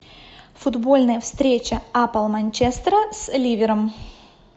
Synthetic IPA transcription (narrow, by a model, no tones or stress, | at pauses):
fʊd̪bo̞lʲnəjəfst̪ɾʲet͡ɕəapəlˠmɐnʲt͡ɕest̪ɾəslʲivʲɪɾəm